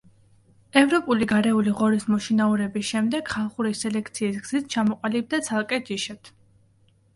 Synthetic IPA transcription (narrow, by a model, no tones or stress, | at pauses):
ɛvɾɔpʼuliɡaɾɛuliʁɔɾismɔʃinauɾɛbisʃɛmd̪ɛɡ̥χalˠχuɾisɛlɛkʰt̪sʰiːs̬ɡz̥it̪ʰt͡ʃʰamɔqʼalib̚d̪at̪sʰalˠkʼɛd͡ʒiʃɛt̪ʰ